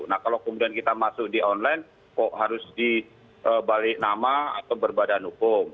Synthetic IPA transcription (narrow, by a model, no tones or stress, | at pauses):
nahkalawkəmudiankit̪amasʊk̚diʔɔnlajn | kɔʔɦaɾʊsdi | ʔəbalɪʔnamaa̰t̪awbərbadanhukʊm